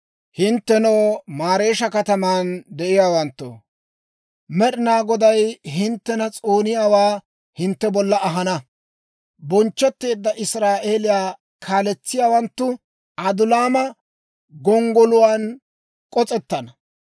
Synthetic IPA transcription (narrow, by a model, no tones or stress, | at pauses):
hɪnt̪ːɛnoːmaːɾe̞ːʃɐkɐt̪ɐmaːnd̪ɛʔɪjaːwɐnt̪ːo̰ | mɛɗɪnaːɡɔd̪ɐjɦɪnt̪ːɛnɐt͡sʼoːnɪjaːwaː | hɪnt̪ːɛbɔlːɐɐɦɐnɐ | bɔnt͡ʃːɔt̪ːe̞ːd̪ːɐʔɪsɾaːʔe̞ːlɪjaː | kʰaːlɛt͡sːɪjaːwɐnt̪ːʊ | ɐd̪ʊlaːmɐ | ɡɔŋɡɔlʊwaːn | kʼɔt͡sʼɛt̪ːɐnɐ